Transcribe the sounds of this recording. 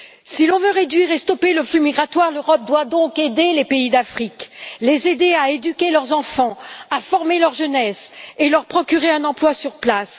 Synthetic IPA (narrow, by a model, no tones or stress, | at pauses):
silɔ̃vøʁed̪ɥiʁest̪ɔpeləflymiɡʁat̪waʁløʁɔp̚d̪wad̪ɔ̃ked̪elepeid̪afχiklezed̪eaed̪ykʲelœʁzɑ̃fɑ̃afɔʁmelœʁʒənɛselœʁpχɔkʲyʁeɛ̃nɑ̃plwasyʁplas